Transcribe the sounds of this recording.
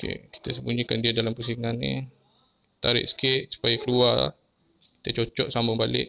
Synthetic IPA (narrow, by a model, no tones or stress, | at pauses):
kḛki̥t̪əsəmbuɲikandiadalampəs̬iŋanːḭ | t̪aɾɪ̰ʔsə̥kɪʔ̪̚su̥pajakəlua̰ | ki̥t̪ət͡ʃot͡ʃɔʔsambʊŋbalɪ̰ʔ̚